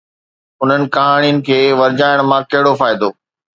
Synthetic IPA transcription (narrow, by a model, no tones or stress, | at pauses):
ʊn̤ənɪ̆kɐɦaːɽ̃ijənɪ̆kʰeːʋɐɾd͡ʑaːɪɽ̃mãkɐɦɪɽofaːɪd̪oː